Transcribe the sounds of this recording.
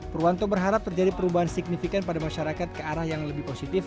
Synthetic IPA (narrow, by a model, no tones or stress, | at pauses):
ɾuant̪obərɦaɾap̚t̪ərd͡ʒadipəɾubaɦansik̚nifikanpadamaʃaɾakat̪̚kəaɾahjaŋləbɪhposit̪ɪf